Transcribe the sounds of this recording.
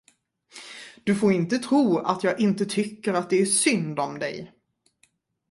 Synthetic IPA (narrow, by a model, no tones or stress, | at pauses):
d̪̥ɵfoːɾɪnt̪ət̪ʰɾuːa̰t̪ʰjɑːɡʔɪnt̪ət̪ʰʏkːəɾat̪̚d̪ɛæʂʏnd̪ɔmd̪ɛ̰j